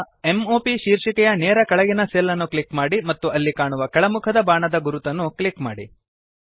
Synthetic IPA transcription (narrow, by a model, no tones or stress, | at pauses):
e̞mo̞ːpiʃiːɾʂikɛjɐnɛːɾɐkɐɭɐɡinɐselːɐnːukɭikmaːɽimɐt̪ːuɐlːikaːɳuʋɐkɛɭɐmukʰɐd̪ɐbaːɳɐd̪ɐɡuɾut̪ɐnːukɭikmaːɽḭ